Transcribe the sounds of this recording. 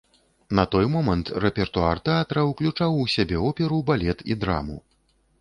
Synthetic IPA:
nɐt̪ɔjmɔmɐnt̪rɛpʲɛrt̪ua̰rt̪ɛat̪ɐɾɐwklʲut͡ʂawusʲabʲɛɔpʲɛɾubalʲɛt̪ḭd̪ɾa̰mṵ

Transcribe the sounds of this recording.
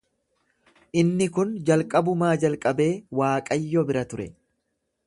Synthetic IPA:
ʔɪnːɪkʊnd͡ʒɐlkʼɐbʊmaːd͡ʒɐlkʼɐbe̞ːwaːkʼɐjːɔbɪɾɐt̪ʊɾɛ

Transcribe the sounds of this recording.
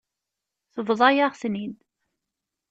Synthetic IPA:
θəvðˤɑjaʁθnid̪

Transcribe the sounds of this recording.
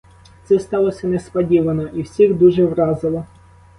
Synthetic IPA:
t̪sɛst̪ɑlˠɔsʲɐnespɐdʲiʋɐnɔʔiwsʲiɣd̪uʒɛwɾɑzɪlˠɔ

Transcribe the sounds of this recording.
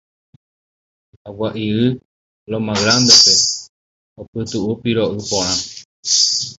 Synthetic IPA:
awaʔiɨ | lomãɣɾambepe | opɨt̪uʔupiɾoʔɨpoɾ̃ãm

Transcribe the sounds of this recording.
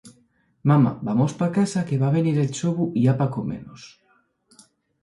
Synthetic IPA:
mama̰bamospakasakeβaβeniɾelt͡ʃoβuiapakomḛnos

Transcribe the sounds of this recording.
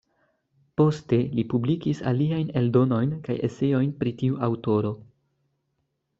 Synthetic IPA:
po̞ste̞lipublikisa̰liajne̞ldo̞no̞jnka̰jḛse̞jo̞jnpɾitiuʔawto̞ɾo̞

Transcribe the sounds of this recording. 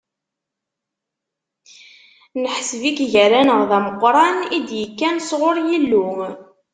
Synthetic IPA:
nəħsvikʝəɾænəʁðæməqːɾˤɑnid̪jəkːænsʁʊɾˤjilːu

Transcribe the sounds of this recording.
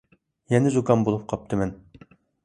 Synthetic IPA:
jɛnɪzukɑnbolˠup̚qʰɑp̚t̪ʰɨmɛn

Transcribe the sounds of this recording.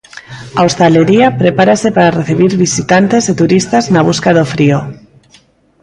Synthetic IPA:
aost̪aleɾiapɾepaɾasepaɾareθiβ̞iɾβisit̪ant̪eset̪uɾist̪aznaβ̞uskaðofɾio

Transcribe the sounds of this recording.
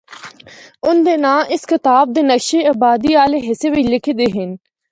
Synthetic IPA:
ʊnd̪eːnãːʔɪskɪt̪aːb̚d̪eːnɐkʃeɐːbaːd̪iaːleɦɪseʋɪlɪkʰed̪eɦɪn

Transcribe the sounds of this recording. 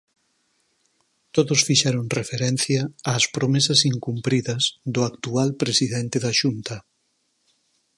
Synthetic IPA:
t̪oðʊsfiʃɛɾoŋrefeɾɛnθjɐːspɾomesɐsiŋkumpɾiðɐzðʊakt̪ualpɾesiðɛnt̪eðɐʃunt̪ɐ

